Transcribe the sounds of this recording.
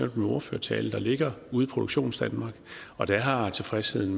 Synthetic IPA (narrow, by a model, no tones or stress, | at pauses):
em̰d̥meɒɐfø̰ɐt͡sʰɛ̰ːləd̥ɑ̈le̝ɡ̥ɐuːð̩ˠpʰʁo̝d̥u̥ɕo̝̰ːnsd̥ænmɑ̈ːɡ̥ɒ̽d̥æɦɑ̈t͡sʰe̝fʁɛshe̝ð̰ˠn̩